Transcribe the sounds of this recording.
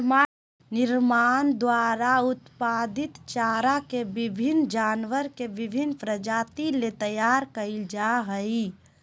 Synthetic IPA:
nɪɾmaːnd̪waːɾaʊt̪paːd̪ɪt̪t͡ʃaːɾakebɪbʱɪnd͡ʒaːnʋəɾkebɪbʱɪnpɾəd͡ʒaːt̪ilet̪əjaːɾkəid͡ʒaɦəi

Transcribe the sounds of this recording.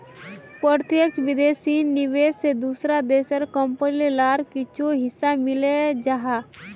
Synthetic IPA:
pəɾt̪jək̚t͡ʃʋɪd̪eːsinnːɪʋeːssed̪uːsɾad̪eːsəɾkəmpənlelaːɾkit͡ʃʰoɦɪsːamɪled͡ʒaɦaː

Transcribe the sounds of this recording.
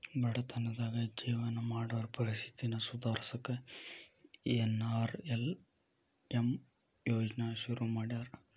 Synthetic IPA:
bɐɽɐt̪ɐnːɐd̪aːɡɐd͡ʒiːʋɐnɐmaːɽɐʋɐɾɐpɐɾisi̥t̪inɐsud̪aːɾsɐkːe | enaːɾel | em | joːd͡ʒnaʃuɾumaːɽijaːɾ

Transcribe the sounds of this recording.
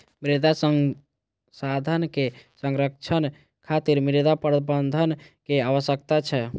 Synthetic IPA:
mɾid̪ʱasə | sad̪ʱənkesəŋɾək̚t͡ʃʰən | kʰat̪iɾmɾid̪apɾəbənd̪ʱənkeaʋəsjək̚t̪at͡ʃʰɛ

